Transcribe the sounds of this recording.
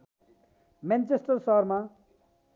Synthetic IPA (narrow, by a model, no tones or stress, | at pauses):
mant͡sesʈʌrsʌɦʌrma